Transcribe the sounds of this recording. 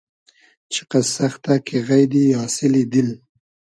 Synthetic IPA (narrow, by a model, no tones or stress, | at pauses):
t͡ʃʰɪ̥qasaxt̪akʰeɣajd̪ijɑsɪlid̪ɪl